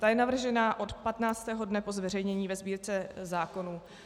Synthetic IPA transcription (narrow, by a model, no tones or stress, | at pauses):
t̪ajɛnavr̩ʒɛnaːʔo̞t̪pat̪naːt͡st̪ɛːɦo̞dnɛpo̞zvɛrɛjɲɛɲiːvɛzbiːɾt͡sɛzaːko̞nuː